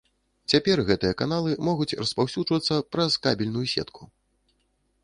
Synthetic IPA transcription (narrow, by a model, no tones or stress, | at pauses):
t͡sʲapʲɛrɣɛt̪ɨjɐkanalˠɨmɔɣut͡sʲɾɐspawsʲud͡ʐʐvɐt̪sːɐpɾɐskabʲilʲnujusʲɛ̰t̪kʰu